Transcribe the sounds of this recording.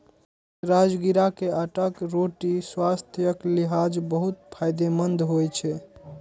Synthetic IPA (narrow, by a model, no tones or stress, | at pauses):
ɾad͡ʒɡiɾakeaʈəkɾoʈiswast̪ʰjəkliɦad͡ʒbəɦut̪pʰajd̪emənd̪ʱɦojt͡ʃʰɛ